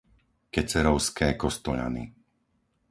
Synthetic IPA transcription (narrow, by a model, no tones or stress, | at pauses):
kɛt͡sɛɾɔʊskɛːkɔst̪ɔʎa̰nḭ